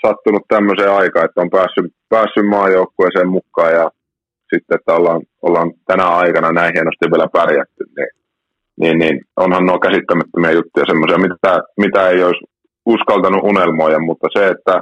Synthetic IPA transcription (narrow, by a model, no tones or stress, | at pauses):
sɑt̪ːunut̪t̪æmːøseːɑikɑːet̪ːæompæːsːypæːsːymmɑːjjoukːoeːˑseːmmukːɑːjjɑ | sit̪ːeet̪ːæolhɑnolhɑnt̪ænæɑikɑnɑnæĩhienost̪iʋʋielæpærjæt̪ːynniː | niːnninonhɑnnoːkæsit̪ːæmæt̪ːømiɑjut̪ːujɑsemːosiɑmit̪æmit̪æeiois | uskɑlt̪ɑnuʔunelmoːjɑmmut̪ːɑseet̪ːæ